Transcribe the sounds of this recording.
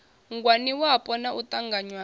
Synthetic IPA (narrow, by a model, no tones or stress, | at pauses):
ŋɡwaniwapʼɔnaʔut̪aŋɡaɲwa